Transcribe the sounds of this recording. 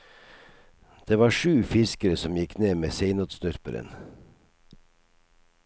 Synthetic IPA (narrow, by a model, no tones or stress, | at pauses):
d̪̥eːʋɑːʃʉːfɪskəɾəsɔmjɪkneːmeːseɪnoːd̪st̪œɾpəɾə̰n